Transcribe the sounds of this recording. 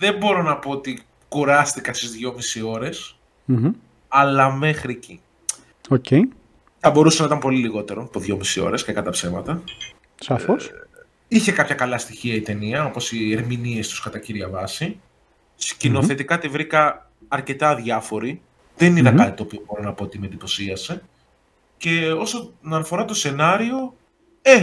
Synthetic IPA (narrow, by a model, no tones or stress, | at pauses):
ðe̞mbo̞ɾo̞nɐpo̞ot̪i | kuɾɐst̪ikɐst̪izðʝo̞misio̞ɾe̞s | m̩ | ɐlɐme̞xɾici | ocej | θɐbo̞ɾusenɐit̪ɐmpo̞liliɣo̞t̪e̞ɾopoðʝo̞misio̞̰ɾe̞scekɐt̪ɐpse̞mɐt̪ɐ | sɐfos | içe̞kɐpçɐkɐlɐst̪içiɐit̪e̞niɐo̞po̞sieɾminie̞st̪u̥skɐt̪ɐciɾʝɐvɐsi | scino̞θe̞t̪ikɐt̪ivɾikɐː | ɾce̞t̪ɐðʝɐfo̞ɾi | ðeninɐkkɐt̪it̪o̞ːpio̞bo̞ɾonɐpo̞ot̪imend̪ipo̞siɐse̞ | ce̞osonɐnɐfo̞ɾɐt̪o̞se̞nɐɾio̞ | e